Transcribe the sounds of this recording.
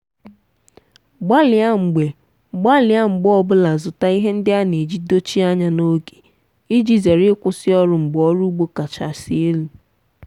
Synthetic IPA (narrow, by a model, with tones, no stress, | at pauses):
ɡ͡ba˦lɪ˨a˦ŋ͡m̩˨ɡ͡be˨ | ɡ͡ba˦lɪ˨˦a˦ŋ͡m̩˨ɡ͡bʊ˦ɔ˦bʊ˦la˨zʊ˨ta˦i˦ɦe˦n̩˦dɪ˦a˦ne˨d͡ʒi˦do˦t͡ʃi˦a˦ɲa˨no˦ɡe̥˨ | i˦d͡ʒi˦ze˨ɾɪ˦kʷʊ˦sɪ˦ɔ˦ɾʊ˨ŋ͡m̩˨ɡ͡bɔ˦ɾu˦u˦ɡ͡bo˦ka˨t͡ʃa̰˨si˦e˦lu˨